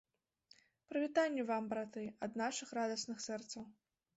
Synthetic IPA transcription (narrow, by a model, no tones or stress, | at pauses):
pɾɨvʲit̪anʲːɛvambɾat̪ɨɐd̪naʂɨxɾad̪ɐsnɨxsɛrt̪sɐw